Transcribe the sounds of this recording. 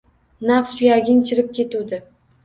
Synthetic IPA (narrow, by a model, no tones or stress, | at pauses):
naqsʊjaɡʲɪnt͡ʃʰɪɾɪp̚kʲʰe̞t̪ud̪ɪ